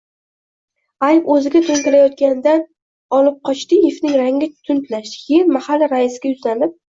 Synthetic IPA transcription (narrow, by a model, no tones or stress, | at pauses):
ajpɵzɪɡʲat̪ʰʊnt̪ɪɾajɒt̪̚kʲand̪an | ɒlɪp̚qʰɒt͡ʃt̪ɪjefnɪŋɾaŋːʲat̪ʰʊnt̪laʃd̪ɪjeɾmahalːaɾaɪsɪɡʲajʊzlanɪp̚